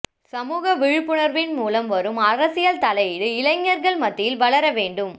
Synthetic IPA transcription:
sɐmuːɣɐʋɪɻɯpːɯɳɐɾʋɪnmuːlɐmʋɐɾɯmɐrɐsɪjɐlt̪ɐlɐjɪɽɯɪlɐɪŋːɐɾɣɐɭmɐt̪ːɪjɪlʋɐɭɐɾɐʋeːɳɖɯm

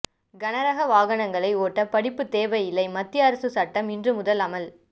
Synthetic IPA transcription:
ɡɐnɐɾɐɣɐʋaːɣɐɳɐŋɡɐɭɐɪoːʈːɐpɐɽɪpːɯt̪eːʋɐjɪlɐɪmɐt̪ːɪjɐːɾɐsɯsɐʈːɐmɪndrɯmʊðɐlɐmɐl

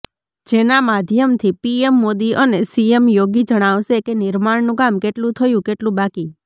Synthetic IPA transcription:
d͡ʒenamad̪ʱjəmt̪ʰipiemːod̪iʔənesiemjoɡid͡ʒəɽ̃aʋʃekenɪɾmaɽnũkamkeʈlũt̪ʰəjũkeʈlũbaki

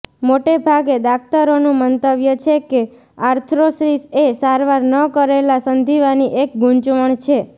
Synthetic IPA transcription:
moʈebʱaɡed̪ak̚ʰt̪aɾonũmənt̪əbjət͡ʃʰeke | aɾt̪ʰɾosɾisesaɾʋaɾnəkəɾelasənd̪ʱiʋaniʔek̚ɡʱũnt͡ʃʋəɳt͡ʃʰe

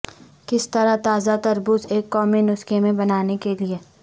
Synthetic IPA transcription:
kɪst̪ɐɾat̪aːzat̪ɐɾbʊzeːkːɔːminʊskemẽbɐnaːnekelie

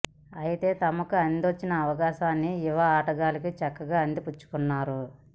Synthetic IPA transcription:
ɐjit̪e̞ːt̪ɐmɐkuɐnd̪iʋɐt͡ʃːinɐːʋɐɡaːʃaːnːiːʋɐaːʈɐɡaːlɐk̬it͡ʃɐkːɐɡaːɐnd̪iput͡ʃːu̥kunːaːɾu

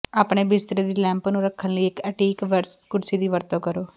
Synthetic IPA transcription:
aːpɳeːbɪst̪ɾeːd̪iːlɛ̃ːmpnũːɾəkʰːənləiːɪkəʈiːkʋəɾskʊɽsiːd̪iːʋəɾt̪õːkəɾoː

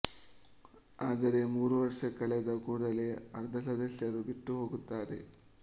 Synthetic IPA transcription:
aːd̪ɐɾe̞muːɾuʋɐɾɐʂɐkɐɭɛd̪ɐkuːɽɐleɐɾd̪ʱɐsɐd̪ɐsjɐɾubiʈːuɦo̞ːɡut̪ːaːɾe̞̰

